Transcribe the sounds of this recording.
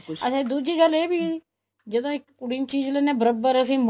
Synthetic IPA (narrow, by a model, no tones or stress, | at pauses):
əsĩːd̪uːd͡ʒiːɡəleːbiː | d͡ʒəd̪õːɪkkʊɽiːnt͡ʃiːd͡ʒleːneːbəɾəbəɾəsĩːm